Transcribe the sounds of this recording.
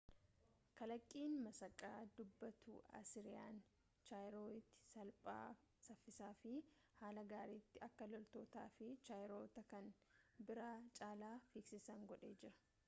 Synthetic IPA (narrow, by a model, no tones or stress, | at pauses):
kɐlɐkʼːiːnmɐsɐkʼːaːd̪ʊbːɐt̪ṵːɐ̰sɪɾɪja̰ːn | t͡ʃaːjɾoːɪt̪ːɪ̥sɐlpʼa̰ː | sɐfːɪsaːfɪ | haːlɐɡaːɾiːt̪ːɪɐkːɐlɔlt̪o̞ːt̪a̰ːfɪt͡ʃaːjɾo̞ːt̪ɐkɐnbɪɾaːt͡ʃʼaːlaːfɪksɪsɐŋɡɔᶑe̞ːd͡ʒɪɾɐ̥